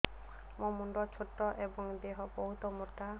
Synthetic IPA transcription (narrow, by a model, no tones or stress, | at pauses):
momuɳɖɔt͡ʃʰoʈːɔʔebɔŋd̪eɦɔbɔɦut̪ɔmuɾt̪a